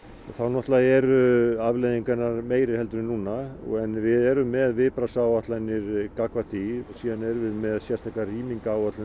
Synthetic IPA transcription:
θawnɔht̪laðɛɾʏavlejðiŋkanːaɾmeːjɾɪhɛlt̪ʏnnuːnːaɔ̰ɣɛnvɪðɛɾʏmːɛðvɪpɾasawat̪lajnːɪɾkakvaθiɔsiːðanɛɾʏvɪðmɛðsjɛɾst̪ajkariːmiŋkaːwat̪lʏ

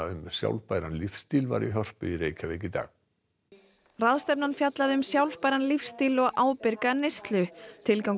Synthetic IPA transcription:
ʏmsja̰wlpaːjɾanlifst̪iːlva̰ɾiɦɔr̥pʏiɾeːjcʰavɛjcɪt̪a̰ːɣ | raðst̪ɛpnanfjat̪laðɪʏmsjawlpaːjɾanlifst̪iːlɔɣaːwpɪɾkanest̪lʏt̪ʰɪlkawŋ

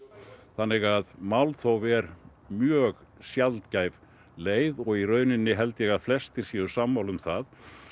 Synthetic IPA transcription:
θanːɪɣaðmawlθowvɛɾ | mjœːɣsjalt̪caːjv | leːjðɔɣirœːɥnɪnːɪɦɛlt̪jɛɣaðflɛst̪ɪɾ̥sjɛʏsamːawlʏmθað

